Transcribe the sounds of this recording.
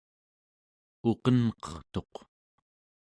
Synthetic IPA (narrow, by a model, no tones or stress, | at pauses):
oqʌnqʌ̥χt̪o̞q